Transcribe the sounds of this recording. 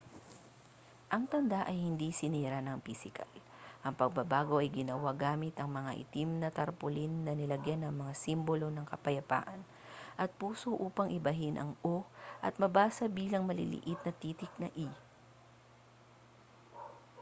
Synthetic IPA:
ʔɐŋt̪ɐnd̪aʔɐjhɪnd̪isɪnɛːɾanɐŋpisɪkʰɐ̰l | ʔɐŋpɐɡ̚bɐbaːɡo̞ʔɐjɡɪnɐwaɡaːmɪt̪ɐŋmɐŋaʔɪ̰t̪imnɐt̪ɐɾpʊlinːɐnɪlɐɡjanɐŋmɐŋasimbolo̞nɐŋkɐpɐjɐpa̰ːʔɐn | ʔɐt̪̚puːsoʔuːpɐŋʔɪbɐɦɪnʔɐ̰ŋʔoʔɐt̪̚mɐbaːsɐbiːlɐŋmɐlɪ̰lɪ̰ʔɪt̪̚nɐt̪iːt̪ɪk̚nɐʔi

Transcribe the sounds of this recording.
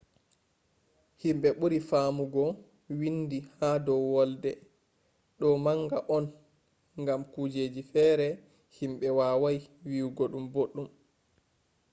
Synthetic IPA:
himɓɛɓuɾifaːmuɡɔ | windihaːdɔwwɔldɛ | ɗɔmaŋɡaʔɔn | ŋɡamkud͡ʒed͡ʒifɛːɾɛ | himɓɛwaːwajwiwɡoɗumboɗːum

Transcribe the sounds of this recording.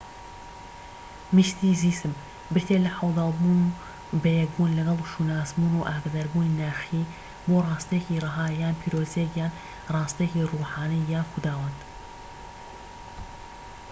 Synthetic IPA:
miʃt̪iːziːsɨm | bɪɾt̪ʰeːlɐħɐwd̪ɑːlˠbuːnu | bɛjɛɡbunlɐɡɐlˠʃunaːzmuːnuːʔaːɡad̪aɾbuːninaːxiː | boːrˤɑːst̪ekiːrˤɨɦaːjaːnpʰiːɾoːzekjaːn | rˤɑːst̪ekiːruːħaːnijaːnxud̪aːwat̪

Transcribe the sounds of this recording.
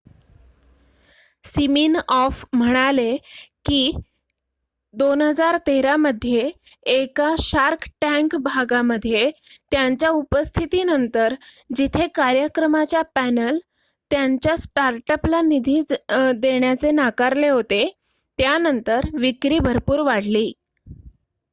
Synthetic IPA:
simiːnɔfm̤əɽ̃alekiː | d̪onɦəd͡zaɾt̪eɾaməd̪ʱːjeː | kaɕaɾkʰʈæ̃ŋkbʱaɡaməd̪ʱːjet̪jaɲt͡ɕjaupəst̪ʰit̪iːnənt̪əɾ | d͡ʑit̪ʰekaɾjəkɾəmat͡ɕjapænəl | t̪jaɲt͡ɕjasʈaɾʈəplanid̪ʱiːd̪eɳjat͡senakaɾleɦot̪e | t̪janənt̪əɾʋikɾiːbʱəɾpuːɾʋaɽ̤liː

